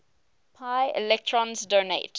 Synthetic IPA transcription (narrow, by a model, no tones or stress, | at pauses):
pʰaɪɪ̰lɛk̚tʰɹɔ̃nzdonḛɪt